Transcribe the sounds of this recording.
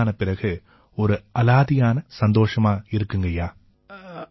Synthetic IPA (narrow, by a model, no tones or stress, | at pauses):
nɐpɪrɐɣɯ | ɔɾɯɐlaːðɪjaːnɐsɐnd̪oːʂɐmaːɪɾɯkːɯŋɡɐjaː